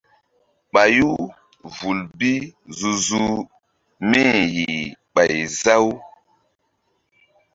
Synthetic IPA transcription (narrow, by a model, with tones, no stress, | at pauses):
ɓa˨ju˦ | vu˨lbi˦zu˨zu˦ | me˦ji˨ɓa˨jza˦w